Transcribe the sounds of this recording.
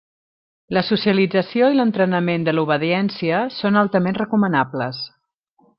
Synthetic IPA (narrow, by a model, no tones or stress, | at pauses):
ləsusiəlid͡zəsioilənt̪ɾənəmend̪əluβ̞əðiɛnsiəsonalˠt̪əmenrəkumənapləs